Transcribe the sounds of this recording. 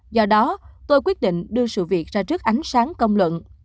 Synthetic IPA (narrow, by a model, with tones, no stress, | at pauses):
zɔ˧ɗɔ˨˦t̪o˧jkwi˦˥t̚ɗḭ˧˨ŋ̟ɗɨ˧əsɨ̰˧˨vi˨˩ək̚zaː˧t͡ɕɨ˦˥k̚ʔa˨˦jŋ̟saː˨˦ŋkə˧wŋ͡mlwə̰˧˨n